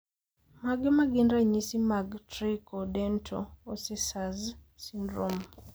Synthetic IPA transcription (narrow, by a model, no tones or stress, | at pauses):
maɡɛmaɡindɾaɲisimaɡtɾikodɛntʰo̰osisaz | sindɾom